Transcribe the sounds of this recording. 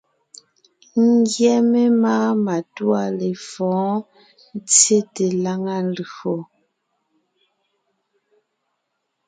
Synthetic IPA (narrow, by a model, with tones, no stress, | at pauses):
ŋ˦ɡjɛ˦me˦maː˦ma˨twa˦le˨fɔ̃ː˨˦ | n˦t͡sje˦te˨la˦ŋa˦n˦lxo˨